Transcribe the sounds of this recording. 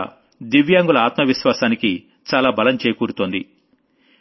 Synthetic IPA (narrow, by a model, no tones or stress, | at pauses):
d̪iʋjaːŋɡulɐaːt̪mɐʋiʃʋaːsaːniki | t͡ʃaːlaːbɐlɐmt͡ʃeːjɐkuːɾut̪oːnd̪ḭ